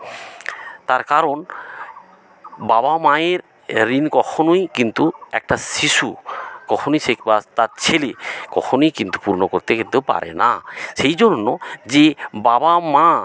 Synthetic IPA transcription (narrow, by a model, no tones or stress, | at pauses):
t̪aɾkaɾon | babamãeɾː | inkɔkʰonojkint̪uɛk̚ʈaʃiʃṵkɔkʰonojsekbat̪aɾt͡ɕʰelekɔkʰonojkint̪u̥puɾnokoɾt̪ekint̪upa̰ɾḛnaʃejd͡ʑonːod͡ʑebabamã